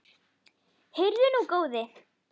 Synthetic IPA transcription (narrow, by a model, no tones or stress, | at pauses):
hɪɾðɪnukoːwðɪ